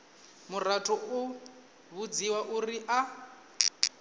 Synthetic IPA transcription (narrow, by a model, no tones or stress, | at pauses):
mur̤atʰʼɔʔu | βud͡ziwaʔuriʔa